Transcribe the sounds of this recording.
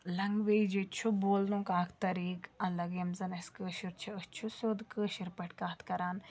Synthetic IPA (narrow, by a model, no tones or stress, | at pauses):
lɐŋɡʋeːd͡ʒit͡ʃʰuboːlnũːkaːkʰt̪ɐɾiːkɐlɐɡɐmzɐnɐskəːʃiɾt͡ʃʰɐət͡ʃʰusod̪kəːʃiɾpɐʈkaːt̪ʰkɐɾaːn